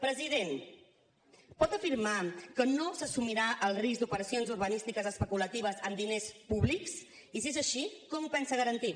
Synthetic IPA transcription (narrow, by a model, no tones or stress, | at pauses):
pɾəziðen | pɔt̪əfiɾmakənosəsumiɾaʔəlˠrizɡd̪upəɾəsionzuɾβənist̪ikəzəspəkulət̪iβ̞əzəmd̪inespuβliks | isiezəʃikɔmpɛnsəɣəɾənt̪i